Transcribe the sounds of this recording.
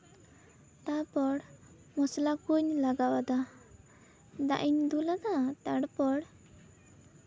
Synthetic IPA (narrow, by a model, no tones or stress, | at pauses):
t̪apɔɽ | mɔslakuɲlaɡawad̪a | d̪a̰ʔiɲd̪ulaɡat̪aɽpɔɽ